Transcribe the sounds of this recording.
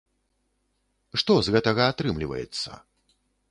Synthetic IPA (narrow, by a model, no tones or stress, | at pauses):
ʂt̪ɔzɣɛt̪ɐɣɐat̪ɾɨmlʲivɐ̰jɛ̰t̪sːɐ̰